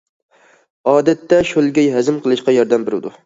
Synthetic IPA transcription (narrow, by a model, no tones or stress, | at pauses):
ɑːd̪at̪ːaʃolˠɡʲɛjhæzɪmqʰɨlˠɨʃqɑjɒɾd̪ambɪɾɪd̪ʊ